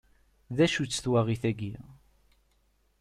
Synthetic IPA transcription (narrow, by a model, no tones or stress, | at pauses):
ðæʃut͡sːθwæʁiθæɡi